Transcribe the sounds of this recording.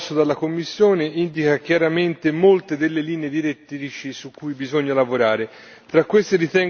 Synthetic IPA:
sːod̪alːakomːisːjoːneind̪ikak̟jaɾament̪emolt̪ed̪elːeliːneed̪iɾet̪ːiɾit͡ʃisukːujbizoɲːalavoɾaːɾe | t̪ɾakːwest̪eɾit̪ɛŋ

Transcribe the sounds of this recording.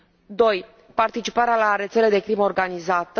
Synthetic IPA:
d̪o̞j | part̪it͡ʃipaɾealaɾe̞t̪se̞le̞d̪e̞kɾiməorɡanizat̪ə

